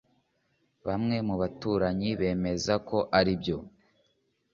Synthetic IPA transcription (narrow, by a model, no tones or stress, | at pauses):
βamŋe̞muβatuːɾaɲiβe̞ːme̞zako̞ʔaɾibjo̞